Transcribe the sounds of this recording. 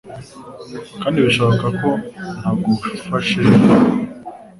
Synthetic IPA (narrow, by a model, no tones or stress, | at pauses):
kaːndiβiʃaːkako̞nhaɡufaʃe